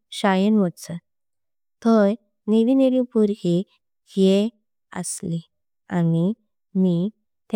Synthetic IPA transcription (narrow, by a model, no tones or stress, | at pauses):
ɕajənʋət͡sə | t̪ɔj | neʋineɾĩpuɾɦi | he | ə̰sli | a̰ni | mi | t̪